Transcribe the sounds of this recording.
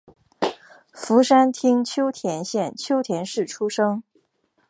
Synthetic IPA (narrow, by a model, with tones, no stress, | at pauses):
fu˧˥ʂa˥nt̪ʰi˥ŋt͡ɕʰjo˥ʊt̪ʰjɛ˧˥nɕjɛ˥˩nt͡ɕʰjo˥ʊt̪ʰjɛ˧˥nʂɻ̩˥˩ʈ͡ʂʰu˥ʂɤ˥ŋ